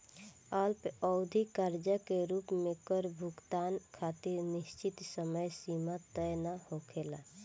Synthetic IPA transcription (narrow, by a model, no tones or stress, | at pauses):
əlpɔʊd̪ʱikəɾd͡ʒəkeɾuːpmẽkəɾbʱʊɡt̪aːnkʰaːt̪iɾnɪst͡ʃɪt̪səməjsiːmat̪əjnahokʰela